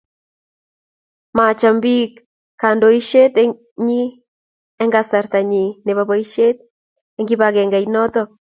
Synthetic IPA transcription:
ma˨t͡ʃa˨mbi˦kː | a˨ndo˨i˦ʃe˦t̪ɛ | ɲi˦ | ɛ˦ŋɡasa˨ɾt̪a˨ɲi˨ne˨βaβa˨˦i˦ʃe˦t̪̚ | ɛŋɡi˦βa˨kɛ˨ŋɡa˨inɔ˦t̪ɔ

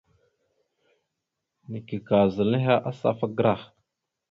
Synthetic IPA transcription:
ni˨ki˨ka˨zə˨li˦ɦa˦ʔa˦sa̰˦fa˦ɡɾa˦˨x

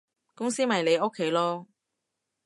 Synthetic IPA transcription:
kʊ˥ŋsiː˥mɐ˨jle˨˧jo˥kʰːe˨˥jlɔː˥

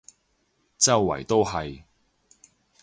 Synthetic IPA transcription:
t͡sɐ˥wːɐ̰˨˩jt̪o˥wɦɐ˨j

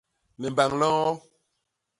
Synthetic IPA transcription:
nɛ˨m˨ba˨ŋlɔ̃˦ɔ˦

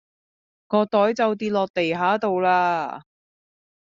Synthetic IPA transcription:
ŋɔː˨˧t̪ɔː˨˥jt͡sɐ˨˧wt̪̬iː˧t̚lɔː˨k̚t̪e˨˩jɦaː˨˥t̪o˨˧wlaː˧

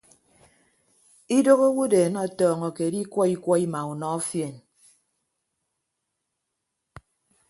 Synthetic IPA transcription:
i˦do˦ɣo˦wu˦deː˨nɔ˦˨tɔː˨ŋɔ˨ke˨di˦kʷɔ˦i˦kʷɔ˦i˦ma˨u˨nɔ˨˦ɔ˦fje˨n

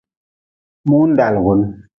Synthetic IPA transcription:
mu˦n̩˦da˨lɣu˨˦n

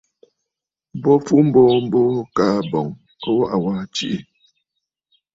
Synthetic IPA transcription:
bɔ˦fu˦m̩˦bɔ˦˨m̩˦bɔ˦kaː˨bɔ˨ŋ | ɔ˦wa˦ʔa˨wa˦t͡ʃi˦ʔi˨

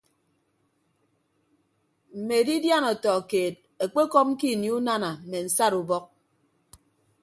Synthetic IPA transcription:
m̩˨me˨di˦dja˦nɔ˨tɔ˨keː˨t̚ | e˨k͡pe˦kɔ˦p̩̚˦ki˦˨nji˨˦u˦na˦na˨m̩˨me˨n̩˨sa˦ɾu˨bɔ˦k̚

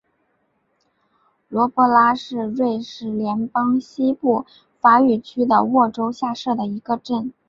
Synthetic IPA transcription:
lwɔ˧˥pwɔ˧˥la˥ʂɻ̩˥˧ɻwe˥˧ɪʂɻ̩˧˥˩ljɛ˧˥npɑ˥ŋɕi˥pu˥˩ | fa˧˥y˨˩t͡ɕʰy˥d̪ə̰˨wɔ˥˩ʈ͡ʂo˥ʊɕja˥˧ʂɤ˥˩d̪ə˩i˧˥ɡə˧ʈ͡ʂə˥˩n

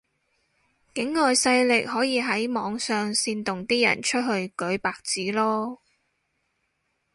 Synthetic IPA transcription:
kɪ˨˥ŋːɔː˨jsɐ˧jlɪ˨k̚ɦɔː˨˥jiː˨˧ɦɐ˨˥jmɔː˨˧˥ŋsœː˨ŋsiː˧nt̪ʊ˨ŋt̪iː˥jɐ̰˨˩nt͡ʃʰɵ˥t̚ɦɵ˧ɥkɵ˨˥ɥpaː˨k̚t͡siː˨˥lɔː˥

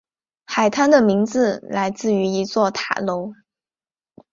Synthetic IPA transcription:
xa˨˩ɪt̪ʰa˥nd̪ə˨mi˧˥ŋt͡sɹ̩˧la˧˥ɪt͡sɹ̩˥˩y˧˥i˧˥t͡swɔ˥˩t̪ʰa̰˨˩lo˧˥ʊ

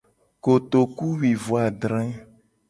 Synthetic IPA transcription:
ko˨t̪o˨ku˦wi˨vo˨a˨ɖɾɛ̃˦

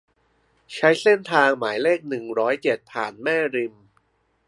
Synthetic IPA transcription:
t͡ɕʰa˦˥jse˥˩nt̪ʰaː˧ŋmaː˩˦jleː˥˩k̚nɯ˨˩ŋɾɔː˦˥jt͡ɕe˨˩t̪̚pʰa̰ː˨˩nmɛː˥˩ɾi˧m

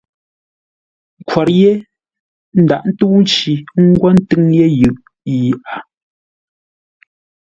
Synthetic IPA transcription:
kwa˨ɾje˦ | n̩˦da˨ʔn̩˦tuː˦n˦t͡ʃi˨˦ŋ̩˦ɡwɔ˦n̩˦tɨ˦ŋje˦jʉ˨ʔ | jʔa˨

